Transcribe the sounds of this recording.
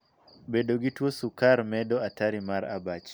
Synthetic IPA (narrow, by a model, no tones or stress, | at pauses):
bedoɡitwosukaɾmɛdɔataɾimaɾa̰bat͡ʃ